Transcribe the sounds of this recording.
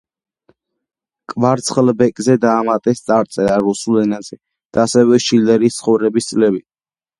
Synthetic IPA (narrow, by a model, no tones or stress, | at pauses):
kʼvaɾt̪sʰχlbɛkʼzɛd̪aːmat̪ʼɛst̪sʼaɾt̪sʼɛɾaɾusulɛnazɛ | d̪̥aːsɛvɛʃild̪ɛɾiːst̪sʰχɔvɾɛbist̪sʼlɛbit̪